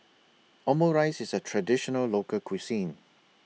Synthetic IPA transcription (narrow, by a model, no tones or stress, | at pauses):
ʔɔmoɹaɪsɪsətʰɹadɪʃɔnəllokəkʰwisĩn